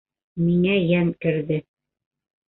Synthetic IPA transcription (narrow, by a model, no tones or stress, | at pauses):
miŋæjænkɘ̆ɾðɘ